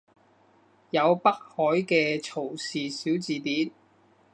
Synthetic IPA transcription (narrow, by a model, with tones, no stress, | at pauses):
jɐ˨˧wpɐ˥k̚hɔː˨˥jkɛː˧t͡sʰo˨˩wsiː˨siː˨˥wt͡siː˨t̪iː˨˥n